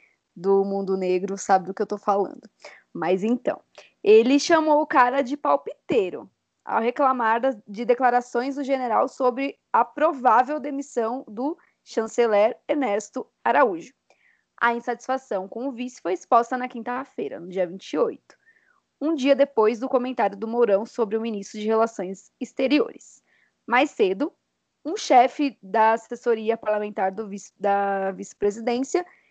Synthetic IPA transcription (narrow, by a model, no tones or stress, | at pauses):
d̪ʊmũnd̪ʊneɡɾʊsabɪd̪ʊkɪewt̪owfalɐ̰̃nd̪ʊ | mɐjzẽt̪ɐ̰̃w̃ | elɪʃɐmowʊkaɾɐd͡ʒɪpawpit̪eɾʊ̰ | a̰wɦeklamaɾd̪ɐd͡ʒɪd̪eklaɾasõj̃zd̪ʊʒeneɾawsobɾɪ | ɐpɾovavewd̪emisɐ̃w̃d̪ʊ | ʃɐ̃selɛɾenɛɾst̪ʊ | aɾauʒʊ | ɐ̰ĩsat͡ʃi̥sfasɐ̃w̃kõw̃ʊvisʊ̥fojispɔst̪ɐnɐkĩnt̪ɐfejɾɐ̰nʊd͡ʒiɐvĩt͡ʃiojt̪ʊ̥ | ũd͡ʒiɐd̪epojzd̪ʊkõmẽnt̪aɾjʊd̪ʊmoɾɐ̃w̃sobɾɪʊminist̪ɾʊd͡ʒɪhelasõj̃z | ist̪eɾio̰ɾɪs | majsːed̪ʊ | ũʃɛfɪd̪ɐːsesoɾiɐpaɾlamẽnt̪aɾd̪ʊvi̥d̪ɐvisɪ̥pɾezid̪ẽsiɐ